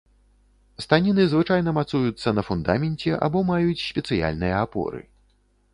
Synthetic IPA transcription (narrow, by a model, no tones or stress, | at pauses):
st̪anʲinɨzvɨt͡ʂajnɐmat̪sujut̪sːɐnɐfund̪amʲɛnʲt͡sʲɛʔa̰bɔmajut͡sʲsʲpʲɛt̪sɨja̰lʲnɨjɐapɔ̰ɾɨ̰